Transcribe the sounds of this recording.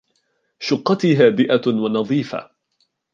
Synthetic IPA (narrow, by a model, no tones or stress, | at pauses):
ʃʊqːɑt̪ɪɦaːbɪʔawɑnɑðˤiːfa̰